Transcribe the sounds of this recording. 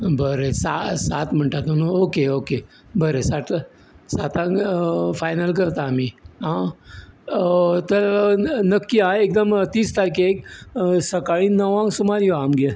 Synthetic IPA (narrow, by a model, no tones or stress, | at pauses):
bəɾesasat̪m̤əɳʈat̪onuokeoke | bəɾesaʈ | sat̪ãɡfajnəlk̬əɾt̪aːmiɦã | t̪əɾnəkːiãek̚d̪əmt̪iːst̪aɾikeeksəkaɭĩnəʋãŋɡsumaɾjoamɡe